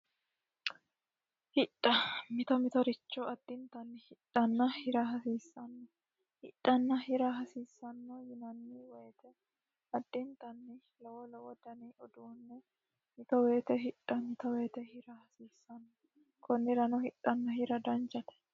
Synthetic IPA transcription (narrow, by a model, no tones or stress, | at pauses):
hɪᶑʼːɐmɪt̪ɔmɪt̪ɔɾɪt͡ʃːɔɐd̪̥ːɪnt̪ɐnːɪhɪᶑɐnːɐhɪɾɐɦɐsiːsːɐnːɔ | hɪᶑːɐnːɐhɪɾɐɦɐsiːsːɐnːɔjɪnɐnːɪweːt̪ɛ | ɐd̪̥ːɪnt̪ɐnːɪ | lɔwɔlɔwɔd̪ɐniʔɔd̪uːnːɛ | mɪt̪ɔweːt̪ɛɦɪᶑʼɐmɪt̪ɔweːt̪ɛhɪɾɐhɐsiːsːɐnːɔ | kɔnːɪɾɐnɔhɪᶑʼːɐnːɐhɪɾɐd̪ɐnt͡ʃɐt̪ɛ̥